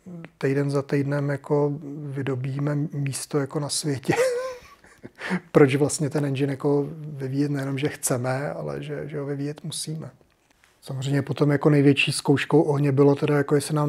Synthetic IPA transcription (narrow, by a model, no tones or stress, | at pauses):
t̪ɛjdɛnzat̪ɛjdnɛmjako̞vɪdo̞biːmɛmiːst̪ojako̞nasvjɛcɛ | pɾo̞t͡ʃvlast̪ɲɛt̪ɛnɛnd͡ʒɪnjakovɪviːjɛt̪nɛjɛno̞mʒɛxt͡sɛmɛa̰lɛ̰ʒɛʒɛɦovɪvijɛt̪musiːmɛ | samozr̝ɛjmɲɛpo̞t̪o̞mjako̞nɛjvjɛt͡ʃiːskowʃkowʔoɦɲɛbɪlo̞t̪ɛdajako̞jɛsɪnaːm